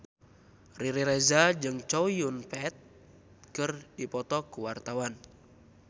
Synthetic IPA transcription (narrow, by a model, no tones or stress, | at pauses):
riɾiɾɛzad͡ʒɨŋt͡ʃɔjunpɛt̪̚ | kɨrdipɔt̪ɔkuwart̪awan